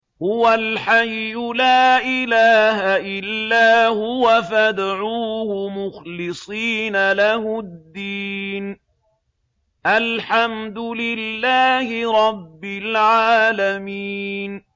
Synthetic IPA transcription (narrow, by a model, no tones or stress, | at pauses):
hʊwalħajːʊlaːʔɪlaːhaʔɪlːaːhʊwafad̪aʕuːhʊmʊxlɪsˤiːnalahʊd̪ːiːn | ʔalħamd̪ʊlɪlːaːhɪɾˤɑbːɪlʕaːlamiːn